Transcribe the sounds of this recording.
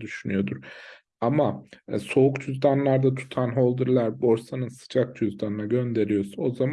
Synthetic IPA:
d̪yʃynyjo̞d̪uɾ | amaso̞ukt͡ʃʰuzd̪anlˠaɾd̪at̪ʰu̥t̪ʰanɦo̞lˠd̪ɯɾlˠaɾbo̞ɾsanɯnsɯ̥d͡ʒak̚t͡ʃʰuzd̪anɯnaɟø̞nd̪e̞ɾijo̞suo̞zam

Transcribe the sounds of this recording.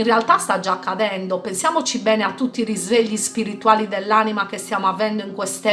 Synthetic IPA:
inrealt̪ast̪ad͡ʒaːkːaðɛnd̪opensjaːmot͡ʃibɛːneat̪ːut̪ːiːrizveʎːispiɾit̪uaːlid̪ɛlːaːnimakest̪jaːmoavɛnd̪oiŋkwɛst̪ɛ

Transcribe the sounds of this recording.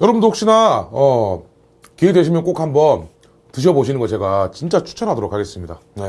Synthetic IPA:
jʌɾʌbɯndohokɕ͈inaʌ | kiedweɕʰimjʌnk͈ok̚hambʌn | tɯɕ̬ʰʌboɕʰinɯnɡʌɭt͡ɕe̞ɡat͡ɕint͡ɕ͈at͡ɕʰu̥t͡ɕʰʌnɦadoɾokʰaɡe̞s͈ɯmɲida | ne

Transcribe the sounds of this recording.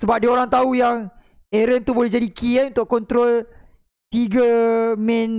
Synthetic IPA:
səbap̚dioɾaŋt̪aujaŋ | eɾənt̪ubolɛhd͡ʒadikiɛnunt̪ʊʔkːɔnt̪ɾɔl | t̪iɡəmɛ̃n

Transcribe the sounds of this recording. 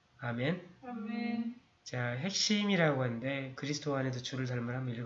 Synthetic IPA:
ame̞n | t͡ɕaɦe̞k̚ɕ͈imiɾaɡoɦanɯnde̞kɯɾisʰɯtʰoanedot͡ɕuɾɯɭt̬aɭmɯɾɦamoiɾɡ

